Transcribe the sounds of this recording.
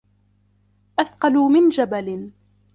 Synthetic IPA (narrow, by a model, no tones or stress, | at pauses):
ʔaθqɑluːmɪnd͡ʒabalɪn